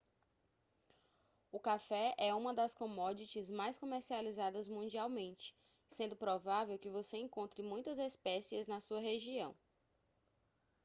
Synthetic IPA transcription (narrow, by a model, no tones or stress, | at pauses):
ʊkafɛɛũmɐd̪ɐskõmɔd͡ʒit͡ʃɪzmajskõmeɾsializad̪ɐzmũd͡ʒiawmẽnt͡ʃɪ̥ | sẽnd̪ʊpɾɔvavewkɪvoseẽŋkõnt̪ɾɪmũj̃t̪ɐzespɛsiɐznɐsuɐɦeʒiɐ̰̃w̃